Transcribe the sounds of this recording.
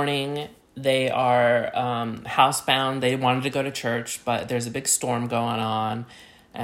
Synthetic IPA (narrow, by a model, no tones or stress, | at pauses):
ɹnɪ̃ŋ | ðeɪʔə˞ʌ̃mhaʊsb̥ãʊ̃nðeɪwɑ̃ɾ̃ɨd̚tʰɨɡoʊɾɨt͡ʃʰɜ˞t͡ʃb̥ʌt̪̚ðə˞zɨbɪɡ̥stɔɹmɡoʊɪ̃ŋə̃n | ʔɨ̃